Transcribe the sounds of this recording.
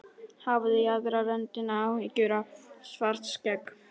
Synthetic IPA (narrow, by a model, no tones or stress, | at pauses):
havðɪaðɾaɾɛnt̪ɪnawicʏɾasvaɾ̥t̪scɛk